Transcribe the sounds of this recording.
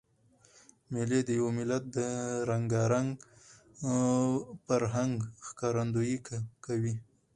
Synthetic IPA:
mɪled̪əjawmɪlat̪̚d̪əɾaŋɡaɾaŋɡ | paɾɦaŋɡxkɑɾand̪ojikkawi

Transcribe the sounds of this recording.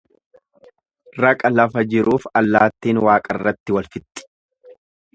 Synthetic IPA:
rɐkʼɐlɐfɐd͡ʒɪɾuːfɐlːaːt̪ːiːnwaːkʼɐrːɐt̪ːɪwɐlfɪt̪ːɪ̥

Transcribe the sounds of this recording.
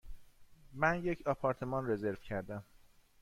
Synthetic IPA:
mænje̞cʰɒpʰɒːɾt̪ʰe̞mɒnre̞ze̞ɾv̥cʰæɾd̪æm

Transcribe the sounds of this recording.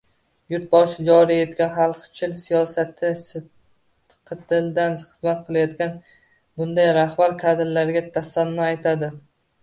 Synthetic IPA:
jʊɾt̪̚bɒʃɪd͡ʒɒɾije̞t̪kʲanχalˠqt͡ʃʰɪlsijɒsat̪ʰɪs | qʰɨt̪ʰɪld̪anχɨzmat̪qʰɨlˠajɒt̪kʲan | bʊnd̪ajɾahbaɾkʰad̪ɪɾlaɾɡʲat̪ʰasanːɒajt̪ʰad̪ɪ

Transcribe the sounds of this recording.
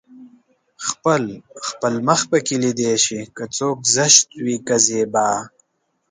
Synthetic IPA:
xpəlxpəlməxpəkilid̪eːʃikat͡soːkzəʃt̪̚wikɐzeːbaː

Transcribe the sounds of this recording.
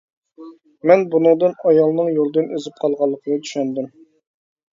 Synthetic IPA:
mɛnbunɨŋd̪ɨnɑjɑlˠnɨŋjolˠd̪ɨnøzyp̚qʰɑlˠʁɑlˠːəqʰənɨt̪ʰy̥ʃɛnd̪ym

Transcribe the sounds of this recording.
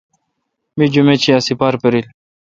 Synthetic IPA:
mid͡ʑumet͡ɕiasipaːɾpeɾil

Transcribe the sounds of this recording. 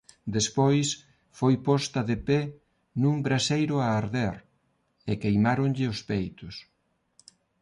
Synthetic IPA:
d̪espojs | fojpɔst̪ɐðepɛ | nuŋbɾasejɾʊaːɾðɛɾ | ɛkejmaɾʊŋʎɪʊspejt̪ʊs

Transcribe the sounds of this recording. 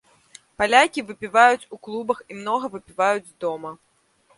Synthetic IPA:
palʲakʲivɨpʲivajut͡sʲuklˠubɐximnɔɣɐvɨpʲivajud͡zʲzd̪ɔmɐ

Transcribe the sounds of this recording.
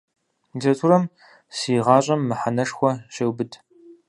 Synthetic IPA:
zɐtʰuɾɐm | siːʁɑːɕʼɐmːɨħanɐʂxʷɔɕeːwbɨtʰ

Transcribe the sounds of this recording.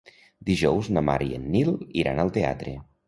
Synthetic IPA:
d̪iʒɔwznəma̰ɾiḛnːiliɾa̰nəlˠt̪ea̰t̪ɾe

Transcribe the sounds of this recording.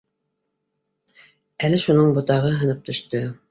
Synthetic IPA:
ælɘʃunɤɴbŏt̪ɑʁɤɦɤ̆nɤp̚t̪ɵ̆ʃt̪ɵ

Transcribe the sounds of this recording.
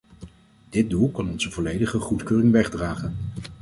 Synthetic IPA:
d̥ɪd̚dulˠkɑnɔnzəvɔlejdəχəχutkøːrɪŋʋɛχdraːχən

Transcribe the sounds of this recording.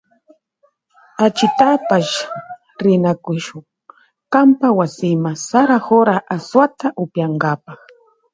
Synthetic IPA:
at͡ʃɪt̪apaʃ | ɾɪnakʊʃʊŋ | kampawasɪmasaɾaxoɾaʔaswat̪aʔʊpjaŋɡapɑχ

